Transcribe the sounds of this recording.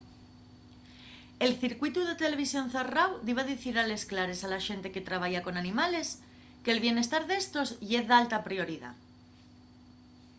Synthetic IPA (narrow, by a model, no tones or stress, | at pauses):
e̞lθiɾkwit̪uð̞e̞t̪e̞le̞βisjo̞n̟θerawðiβ̞aðiθiɾale̞sklaɾe̞salaʃe̞nt̪e̞ke̞t̪ɾaβ̞aʝako̞nanĩmales | keːlβje̞ne̞st̪aɾðe̞st̪o̞zʎeðalt̪apɾio̞ɾið̞a̰